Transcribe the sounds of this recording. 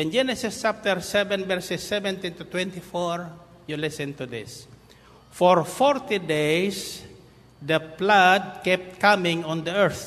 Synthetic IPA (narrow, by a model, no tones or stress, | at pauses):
ɪ̃nd͡ʒɛnɛsɪst͡ʃap̚t̪əɹsɛvɛ̃nvɛɹsɛsːɛvɛ̃nt̪ĩnt̪ut̪wɛ̃nt̪ifɔɹ | julɪsɛ̃nt̪ud̪ɪs | fɔɹfɔɹt̪id̪ejs | d̪əplad̪̚kɛp̚t̪̚kamɪ̃ŋɔ̃nd̪əɛɹθ